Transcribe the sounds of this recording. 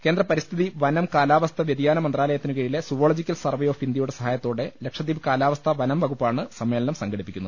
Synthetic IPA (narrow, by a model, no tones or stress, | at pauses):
keːnd̪rɐpɐɾist̪ʰiðiʋɐnɐmkaːlaːʋɐst̪ʰɐʋjɐd̪ijaːnɐmɐnd̪raːlɐjɐt̪ːinɨkeːɻilesuʋoːɭod͡ʑikʲːɐlsɐrʋejoːfind̪jɐjuɽesɐɦaːjɐt̪ːo̞ːɽe̞lekʂɐd̪iːʋkaːlaːʋɐst̪ʰɐʋɐnɐmʋɐɡupːaːɳɨsɐmːeːlɐnɐmsɐŋɡɐɽipːikʲːunuð